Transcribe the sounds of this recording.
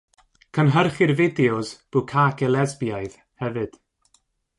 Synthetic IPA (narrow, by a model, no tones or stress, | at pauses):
kʰənɦərχɪrvɪdɛɔzb̥ʊkʰaːɡɛlˠɛzbjaɨð | hɛvɨd̥